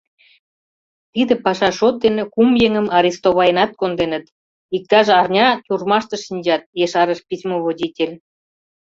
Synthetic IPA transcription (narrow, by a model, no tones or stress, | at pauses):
t̪id̪ĕpɑʃɑʃot̪̚d̪enĕkumjeŋə̆mɑɾʲist̪oβɑjənɑt̪̚kond̪enə̆t̪ | ik̚t̪ɑʒeɑrnʲɑt̪ʲurmɑʃt̪ɤ̆ʃinʲd͡ʑɑt̪̚jeʃɑɾə̆ʃpʲisʲmoβod̪ʲitʲelʲ